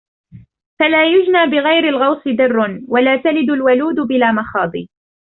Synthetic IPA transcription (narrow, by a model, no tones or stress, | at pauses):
falaːjʊd͡ʒnaːbɪɣajɾɪlɣɑwsˤɨd̪ɪrːnwalaːt̪alɪd̪ʊlwaluːd̪ʊbɪlaːmaxɑːd̪ˤḭː